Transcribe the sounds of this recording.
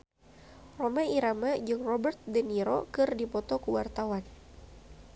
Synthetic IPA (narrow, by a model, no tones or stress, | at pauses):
romaiɾamad͡ʒɨŋrɔbərt̪̚dəniɾo̰kɨrdipɔt̪ɔkuwart̪awan